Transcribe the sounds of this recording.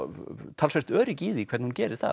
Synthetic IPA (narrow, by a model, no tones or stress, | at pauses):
t̪ʰaːlsajst̪œːɾiciːðikʰvɛɾt̪nhuncɛːɾɪɾ̥θa̰